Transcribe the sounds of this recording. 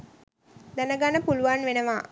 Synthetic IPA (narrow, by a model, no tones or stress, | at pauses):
d̪ænəɡanəpuluʋanʋenəʋaː